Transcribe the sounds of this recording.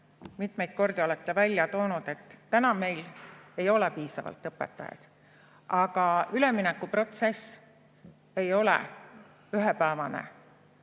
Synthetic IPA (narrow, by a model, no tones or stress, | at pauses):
mit̪me̞jd̪̥̚ko̞rd̪̥io̞let̪ːe̞vælʲːjɑt̪o̞ːnud̪̥e̞t̪ˑːænɑme̞jle̞jo̞lepiːsɑvɑ̰lt̪ːˑɤpːˑḛt̪ːˑɑ̰jɑ̰d̪̥ | ɑɡ̥ɑyle̞minɛkːˑupro̞t̪se̞s | e̞jo̞lɛ̰ | yɦepæːvɑnḛ